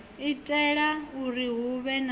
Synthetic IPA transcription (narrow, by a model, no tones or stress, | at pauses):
itʼɛɺauɾiɦuβɛn